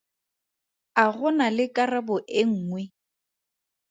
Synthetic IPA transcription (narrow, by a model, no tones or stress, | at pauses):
aɣʊnalɪkʼarabʊʔɪŋ̩ːŋwɛ